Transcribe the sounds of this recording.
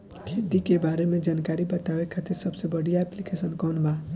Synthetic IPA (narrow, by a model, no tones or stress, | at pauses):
kʰed̪ikebaɾemẽd͡ʒankaɾibət̪aʋekʰat̪iɾsəbsebəɽijaɛplikesənkɔnba